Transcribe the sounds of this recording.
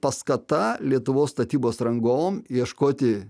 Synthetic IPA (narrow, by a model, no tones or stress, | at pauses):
pɐskɐt̪ɐlʲiɛt̪ʊʋoːsst̪ɐt̪ʲiːboːsɾɐŋɡoːmiɛʃkoːt̪ʲɪ